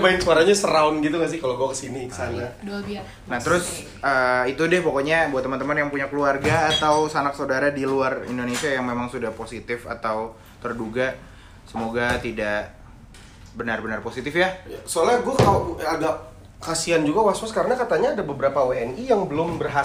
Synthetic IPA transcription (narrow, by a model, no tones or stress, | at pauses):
baɪnsuaɾaɲasəɾaʊnɡit̪̬uŋas̬ɪkaloɡuakəsinikə̥sanadoabia | nat̪əɾʊs | əːit̪udɪhpokoɲabuat̪ːəmənt̪əmənjaŋpuɲakəluarɡaːt̪awsanak̚sawdaɾadiluarḭndonesiajaŋmemaŋsudahposit̪ɪfa̰t̪aw | t̪ərduɡa | səmoɡat̪idaʔ | bənarbənarposit̪ɪfjajasoalaɡuakaloaɡaʔ | kasiand͡ʒuɡawaswaskaɾənakat̪aɲaːdabəbəɾapaweɛnijaŋbəlʊmbərɦa